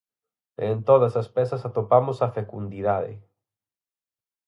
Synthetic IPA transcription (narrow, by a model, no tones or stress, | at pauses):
ent̪oðasaspesasat̪opamosafekund̪iðaðḛ